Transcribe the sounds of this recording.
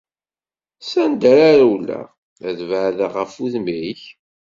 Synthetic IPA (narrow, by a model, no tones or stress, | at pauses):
sænd̪æɾaɾwlːæ̰ | æðvəʕðəʁəfuðmiiç